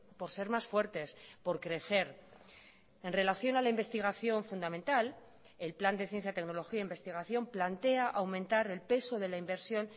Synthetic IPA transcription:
po̞ɾse̞ɾmasfwe̞ɾt̪e̞spo̞ɾkɾe̞θe̞ɾ | e̞nre̞laθjo̞nalaimbe̞st̪iɣ̞aθjo̞ɱfund̪amẽnt̪al | e̞lpland̪e̞θje̞n̟θjat̪e̞kno̞lo̞xiaeimbe̞st̪iɣ̞aθjo̞mplant̪e̞aʔawmẽnt̪aɾe̞lpe̞so̞ðe̞laimbe̞ɾsjo̞n

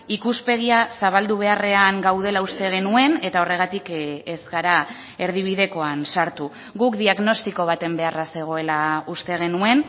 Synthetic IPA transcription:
ikuspe̞ɣiasaβald̪uβ̞e̞are̞aŋɡawð̞e̞laust̪e̞ɣ̞e̞nue̞ne̞t̪ao̞re̞ɣ̞at̪ikezɣaɾa | e̞ɾð̞iβ̞iðe̞ko̞ansaɾt̪u | ɣukd̪iaɣno̞st̪iko̞β̞at̪e̞mbe̞arase̞ɣ̞o̞e̞laust̪e̞ɣ̞e̞nue̞n

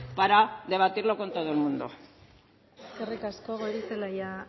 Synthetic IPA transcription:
paɾaðe̞β̞at̪iɾlo̞ko̞nt̪o̞ðoelmund̪o̰ | skerikaskoɣoɾiselaja

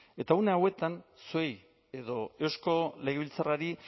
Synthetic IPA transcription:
e̞t̪auneawe̞t̪ansuj | e̞ðo̞e̞wsko̞le̞ɣ̞eβilt͡saraɾi

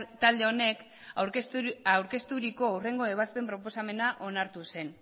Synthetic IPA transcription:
t̪ald̪e̞o̞ne̞k | ɾawɾke̞st̪uɾiko̞awre̞ŋɡo̞e̞β̞aspe̞mpɾo̞po̞same̞naʔo̞naɾt̪use̞n

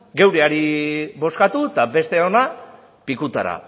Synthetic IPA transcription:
ɡe̞wɾeaɾiβo̞skat̪ut̪abe̞st̪e̞ona | pikut̪a̰ɾa̰

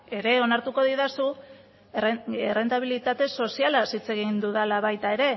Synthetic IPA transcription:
e̞ɾe̞o̞naɾt̪uko̞ðiðasu | ere̞nt̪aβ̞ilit̪at̪e̞so̞sialasit͡se̞ɣind̪uðalaβajt̪ae̞ɾe̞

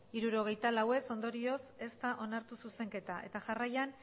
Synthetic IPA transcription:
iɾuɾo̞ɣ̞e̞jt̪alawe̞so̞nd̪o̞ɾio̞se̞st̪aʔo̞naɾt̪ususe̞ŋke̞t̪aʔe̞t̪aʝarajan

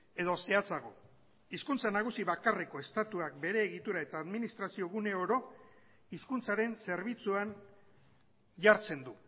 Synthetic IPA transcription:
e̞ð̞o̞se̞at͡saɣ̞o̞ | iskunt͡sanaɣ̞usiβakareko̞e̞st̪at̪uak̚be̞ɾe̞ːɣit̪uɾae̞t̪aːðminist̪ɾasio̞ɣ̞une̞oɾo̞ | iskunt͡saɾe̞nse̞ɾβ̞it͡suan | ʝaɾt͡se̞nd̪u

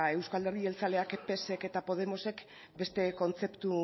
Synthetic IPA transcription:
e̞wskald̪e̞rie̞lt͡sale̞akpe̞se̞ke̞t̪apo̞ð̞e̞mo̞se̞k | be̞st̪e̞ko̞nt͡se̞pt̪u

